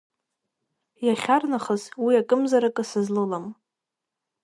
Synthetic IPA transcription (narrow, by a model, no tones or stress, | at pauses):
jaχʲarnaχəzwiakʼɨmzaɾakʼɨsɨzlɨlam